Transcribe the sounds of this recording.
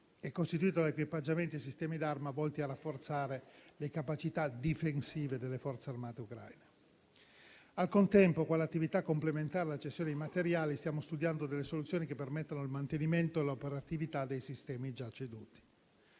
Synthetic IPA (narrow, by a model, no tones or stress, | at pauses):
ɛkːost̪it̪uiːt̪̬od̪aekwipad͡ʒːament̪iajsist̪ɛːmid̪armavɔlt̪iarafːort̪saːɾelekapat͡ʃit̪ad̪ifensiːved̪elːefɔrt̪searmaːt̪eukɾa̰jne | alkont̪ɛmpokwalːat̪ːivit̪akːomplement̪aːɾelat͡ʃestːjoned̪imat̪eɾjaːlist̪jaːmost̪ud̪jand̪od̪elːesolut̪sːjoːnikepːermet̪ːanoilmant̪eniment̪oelopeɾat̪ivit̪ad̪ːejsist̪ɛːmid͡ʒat͡ʃːed̪uːt̪i̥